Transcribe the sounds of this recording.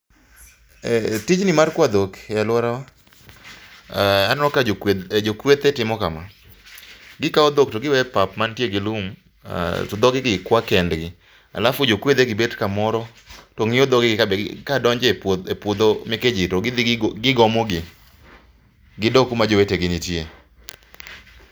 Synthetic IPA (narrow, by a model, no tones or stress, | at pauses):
tid͡ʒnɪmarkwad̪okalʊaɾawa | anɔkad͡ʒokwet̪etɪmɔkama | ɡɪkaɔd̪oktoɡɪwɛpapmantjeɡɪlum | a̰tɔd̪ɔɡɪɡɪkwakɛndɡɪ | a̰lafʊd͡ʒokwed̪eɡɪbedkamɔɾɔ | toŋɪjɔd̪ɔɡɪɡɪkabkadɔɲd͡ʒeepʊd̪omeked͡ʒitoɡɡɪɡɔmɔɡɪ | ɡɪdokumad͡ʒoweteɡɪnɪtje